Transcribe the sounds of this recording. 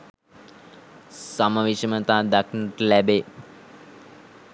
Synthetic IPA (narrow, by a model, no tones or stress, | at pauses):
saməʋiʃəmət̪aːd̪akʰinəʈəlæbe